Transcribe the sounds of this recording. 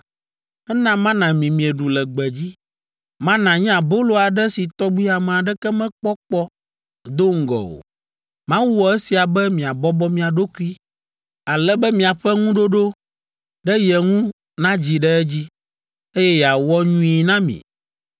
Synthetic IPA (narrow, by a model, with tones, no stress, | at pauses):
ɛ˦nã˦mã˦nã˨mĩ˨mĩ˨ɛ˨ɖu˨lɛ˨ɡ͡bɛ˨d͡ʑi˦ | mã˦nã˨ɲɛ̃˦a˨bo˦lo˦˨a˨ɖɛ˦si˨t̪ɔ˦ɡ͡bi˦a˨mɛ̃˨a˨ɖɛ˦kɛ˦mɛ̃˦k͡pɔ˦k͡pɔ˦ | d̪o˦ŋ̩˦ɡɔ̰˨o̰˨ | mã˦wu˦wɔ˨e˦si˨a˨bɛ˦mĩ˨a˨bɔ˦bɔ˦mĩ˨a˨ɖo˦ku˦i˦ | a˨lɛ˦bɛ˦mĩ˨a˨ɸɛ˦ŋũ˦ɖo˦ɖo˦ | ɖɛ˦jɛ˨ŋũ˦ | nã˦d͡ʑi˨ɖɛ˦ɛ˦d͡ʑi˦ | e˦jɛ˦ja˨wɔ˦ɲũ˦i˨nã˦mḭ̃˨